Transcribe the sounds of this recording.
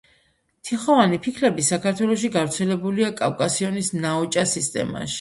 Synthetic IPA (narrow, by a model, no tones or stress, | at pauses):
t̪ʰiχɔvanipʰikʰɾɛbisakʰaɾt̪ʰwɛlˠɔʃ̬iɡavɾt̪sʰɛlɛbuliakʼavkʼasiɔnisnaɔt͡ʃʼasist̪ʼɛ̰ma̰ʃi̥